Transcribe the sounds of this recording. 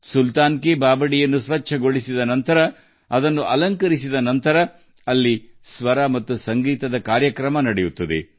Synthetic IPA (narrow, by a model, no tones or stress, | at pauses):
sult̪aːnkebaːbɐɽijɐnːusʋɐt͡ʃːʃʰɐɡo̞ɭisid̪ɐnɐnt̪ɐɾɐ | ɐd̪ɐnːuʔɐlɐŋkɐɾisid̪ɐnɐnt̪ɐɾɐ | ɐlːisʋɐɾɐmɐt̪ːusɐŋɡiːt̪ɐd̪ɐkaːɾjɐkɾɐmɐnɐɽejut̪ːɐd̪ḛ